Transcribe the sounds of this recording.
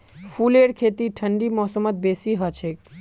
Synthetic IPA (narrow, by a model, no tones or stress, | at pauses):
fuleɽkʰet̪iʈʰəɳɖimɔsəmət̪̚besiɦɔt͡ʃʰe